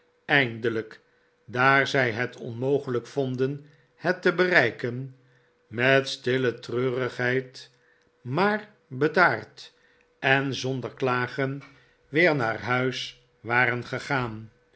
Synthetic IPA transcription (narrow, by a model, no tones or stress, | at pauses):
ɛjndələk | daːɹzɛjɦɛtʰɔ̰nmowχələkfɔndən | hɛtəbərɛjkən | mɛtstɪlətrøːrəχɦɛjt | maːr | bədaːrt | ɛnzɔndəɹklaːχən | ʋɪːɹnaːɹɦœɥs | ʋaːrənχəχaːn